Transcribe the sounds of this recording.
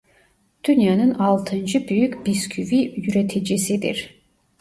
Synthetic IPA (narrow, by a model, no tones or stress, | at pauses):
d̪̥ynjanɯnɑlˠt̪ʰɯnd͡ʒɯbyjykʲbiskʰyvijyɾet̪ʰid͡ʒisid̪ḭɾ̥